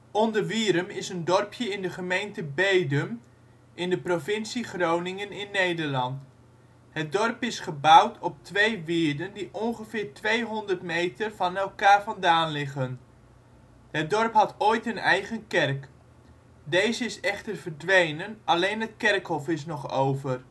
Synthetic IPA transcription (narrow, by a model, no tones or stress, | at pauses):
ɔndərʋiːɾəmɪsəndɔrpʰjəɪndəχəmejntəbejdəm | ʔɪndəprovɪnsiχrownɪŋənɪnːejdəɹlɑnt | ɦət̚dɔrpɪsχəbawtʰɔp̚tʋejʋɪːɹdəndiʔɔnχəvɪːɹtʋejɦɔndərtmejtərvɑnɛlˠkaːɹvɑndaːnlɪχən | ɦət̚dɔrpɦɑtoːjtɦənɛjχənkɛrk | dejzəɪsɛχtərvərdʋejnənʔɑlejnɦətkɛrkhɔfɪsnɔχo̰wvər